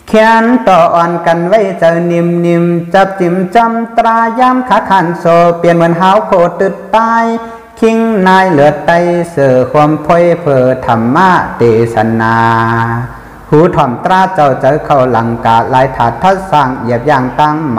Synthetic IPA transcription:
kʰɛ˧nt̪ɔː˧˩ʔɔː˧nka˧˨nwa˧˥˨jt͡ɕa˧wni˧mni˧mt͡ɕa˧˦p̚t͡ɕi˧˦mt͡ɕɔ˧˨mt̪ɾaː˧jaː˧˥˨mkʰaː˧˥kʰaː˧˨nsoː˧pi˧˨ənmɯ˧˥˨nɦaː˧˦wkʰoː˧˨t̪ɯ˧t̪ːaː˧˥j | kʰi˧˥ŋnaː˧˥jlɯ˧˦ət̪̚ːa˧˨jsɤː˧˩kʰu˧əmpʰo˧˨jpʰɤː˧t̪ʰa˨mːaː˧˨t̪eː˨˩sa˧naː˧ | huː˨˦t̪ʰɔː˧˩mt̪ɾaː˧˥˨t͡ɕa˧˩wt͡ɕa˨˧wkʰa˧˩wla˨˦ŋkaː˨˦t̚laː˨˦jt̪ʰaː˨˦t̪ʰːa˧saː˧˩ŋʔi˧˩əp̚jaː˧˩ŋt̪a˧˩ŋm˧

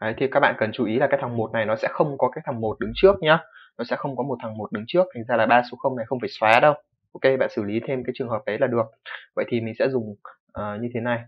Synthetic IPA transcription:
ʔə˨˦jt̪ʰi˨˩kaː˦˥k̚ɓa̰ː˧˨kə˨˩nt͡ɕu˨˩i˨˦laː˨kaː˨˦˥jt̪ʰa˨˩ŋmo˨˩t̚na˨˩jnɔ˨˦sɛ̰˧˥xə˧wŋ͡mkɔ˨˦kaː˨˦˥k̚t̪ʰa˨˩ŋmo˨˩t̚ɗɨ˨˦ŋt͡ɕɨ˦˥ək̚ɲaː˧nɔ˨˦sɛ̰˧˥xə˧wŋ͡mkɔ˨˦mo˨˩t̚t̪ʰa˨˩ŋmo˨˩t̚ɗɨ˨˦ŋt͡ɕɨ˦˥ək̚t̪ʰa˨˩ŋ̟zaː˧laː˨˩ɓaː˧so˨˦xə˧wŋ͡mna˨˩jxə˧wŋ͡mfaː˧˩jswaː˨˦ɗə˧w | ʔo˨˦wke˧ɓa̰ː˧˨nsɨ˧˩li˨˦t̪ʰe˧mkaː˨˦jt͡ɕɨ˨˩əŋɦəː˨˩p̚ʔə˨˦jlaː˨˩ɗɨ˨˩ək̚və̰˧˨jt̪ʰi˨˩mï˨˩ŋ̟sɛ̰˧˥zʊ˨˩ŋ͡m | ʔəː˨˩ɲɨ˧e˨˦na˨˩j

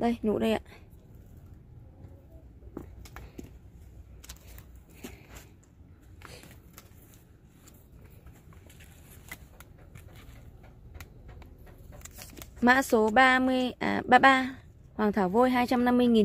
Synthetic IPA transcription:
ɗə˧jɲṵ˧˥ɗə˧jʔa̰ː˧˨ʔ | ma̰ː˧˥so˨˦ɓaː˧mɨ˧əjɓaː˧ɓaː˧ | hwaː˨˩ŋt̪ʰaː˧˩wvo˧jɦaː˧jt͡ɕa˧mna˧mːɨ˧əjŋi˨˩

